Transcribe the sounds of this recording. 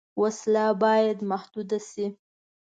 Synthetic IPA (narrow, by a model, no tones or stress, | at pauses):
waslabɑjad̪mahd̪ud̪asi